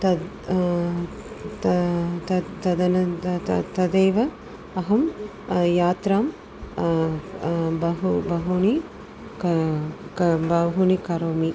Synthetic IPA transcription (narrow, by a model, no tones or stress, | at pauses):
t̪ɐ | t̪t̪ɐt̪ɐd̪ɐnɐt̪ɐd̪eːʋɐ | ɐɦɐm | jaːt̪ɾaːm | bɐɦubɐɦuni | kkbɐɦunikɐɾoːmi